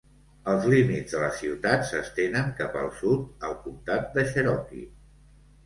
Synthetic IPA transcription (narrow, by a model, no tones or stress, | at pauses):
əlˠzlimidd͡zzðələsiwt̪atsəst̪enəŋkapə̰lˠsut̪̚əlˠkumt̪at̪̚d̪əʃəɾɔkḭ